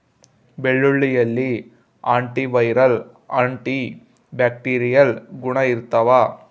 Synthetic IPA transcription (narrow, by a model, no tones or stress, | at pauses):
bɛɭːɯɭːijɐlːi | aːɳʈiʋɐjɾɐl | aːɳʈi | baːk̚ʈiːɾɪjɐlɡʊɳɐɪɾɯt̪ːɐʋaː